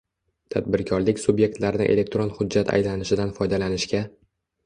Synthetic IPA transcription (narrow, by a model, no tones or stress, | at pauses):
t̪ʰad̪̚bɪɾkʲʰɒɾlɪkʲsʊbje̞k̚t̪laɾɪnɪ̰ʔe̞̰le̞k̚t̪ɾonhʊd͡ʒːat̪ʰa̰jlanɪʃɪd̪anfɒjd̪alanɪʃkʲa